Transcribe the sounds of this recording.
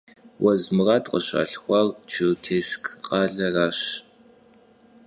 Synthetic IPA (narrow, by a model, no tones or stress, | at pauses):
wʔɐzmɨrɑːtʼqʼəɕa̰ːɬxʷɑːrt͡ʃʰɨtʰeːskʰqɑːɮɐraːɕ